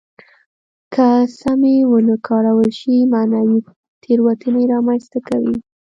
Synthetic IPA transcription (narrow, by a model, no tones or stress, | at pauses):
kʰəsamewənəkʰɑɽawəlʃimanawi | t̪ʰeɾwat̪ʰəneɾɑmanst̪akawi